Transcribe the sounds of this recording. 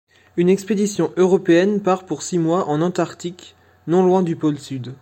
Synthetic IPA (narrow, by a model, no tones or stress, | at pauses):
ynɛksped̪isjɔ̃ʔøʁɔpeɛnpaʁpuʁsimwaʔɑ̃nɑ̃t̪aʁt̪ik | nɔ̃lwɛ̃d̪ypɔlsyd̪